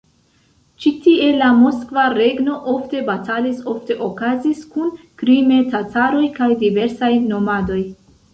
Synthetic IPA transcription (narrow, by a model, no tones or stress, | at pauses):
t͡ʃitie̞lamo̞skvaɾe̞ɡno̞ʔo̞fte̞batʰaliso̞fte̞ʔokaziskunkɾime̞tatʰaɾo̞jkajdive̞ɾsajno̞mado̞j